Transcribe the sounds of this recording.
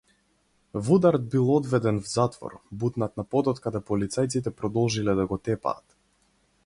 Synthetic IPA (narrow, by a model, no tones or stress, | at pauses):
vud̪aɾd̪̚bilˠɔd̪vɛd̪ɛnvzat̪vɔ̰ɾbut̪nat̪napɔd̪ɔt̪kad̪ɛpɔlit̪sajt̪sit̪̬ɛpɾɔd̪ɔlˠʒilɛd̪aɡɔt̪ɛpa̰ːt̪